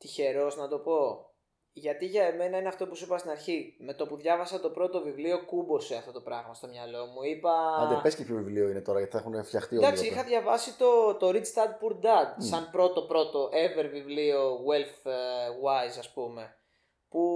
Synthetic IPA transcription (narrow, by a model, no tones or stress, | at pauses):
t̪içe̞ɾo̞znɐt̪o̞po̞ | ʝɐt̪iʝɐeme̞inɐineɐft̪o̞pusipɐst̪inɐɾçime̞t̪o̞puðʝɐvɐsɐt̪o̞pɾo̞t̪o̞vivlio̞kubo̞seɐft̪o̞t̪o̞pɾɐɣmɐst̪o̞mɲɐlo̞muipɐɐɐpescepçovivlio̞inet̪o̞ɾɐjɐt̪i̥θɐexunfçɐxt̪iod̪ɐkksiixɐðʝɐvɐsit̪o̞t̪o̞ɾist̪ɐd̪̚puɾ̚d̪ɐd̪̚sɐnpɾo̞t̪o̞pɾo̞t̪o̞ʔeveɾvivlio̞ɣwelθwajzɐspume̞ | pu